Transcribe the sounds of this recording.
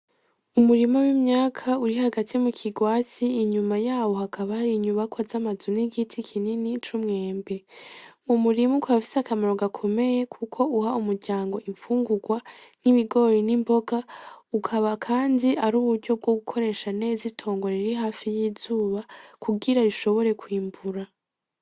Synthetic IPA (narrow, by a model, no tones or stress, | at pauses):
umuɾimowimɲaːkʰauɾihaɡatimukʰiɡwaːt͡siːɲumajaːwo̞hakʰaβaɾiɲuβakwazamazuniɡitʰikʰininit͡ʃumŋe̞ːmbe̞umuɾimukaβafi̥sakamaɾo̞ɡakʰo̞me̞je̞kʰukʰo̞uhaumuɾɟaːŋɡo̞ʔiɱfuːŋɡuɡwaniβiɡo̞ɾinimbo̞ɡaukʰaβakʰaːndiʔaɾuːβuɾɟo̞b̚ɡo̞ɡukʰo̞ɾe̞ːʃane̞ːzitʰo̞ːŋɡo̞ɾeɾiɦaːfijiːzuːβakʰuɡiɾaɾiʃo̞βo̞ɾe̞kwiːmbuɾa